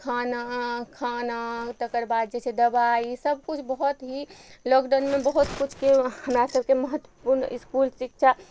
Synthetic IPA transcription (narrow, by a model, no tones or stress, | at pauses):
kʰanakʰanat̪əkəɾbad̪̚d͡ʒet͡ʃʰɛd̪əbaisəb̚kut͡ʃʰbəɦut̪ɦilɔkɖənmebəɦut̪kut͡ʃʰkeɦəmɾasəbʱkeməɦət̪ːwəpuɾniskulsik̚t͡ʃʰa